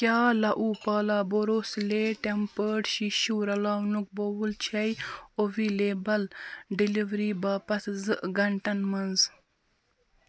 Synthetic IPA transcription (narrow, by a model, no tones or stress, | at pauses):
kʲjaːlɐʔuːpaːlaːboɾoːsleːʈempəːʈiʃuːɾɐlaːwnuk̚bowult͡ʃʰɐjoʋiːleːbɐlɖiliʋɾiːbaːpɐt̪zɨʔɡɐɳʈɐnmɐnz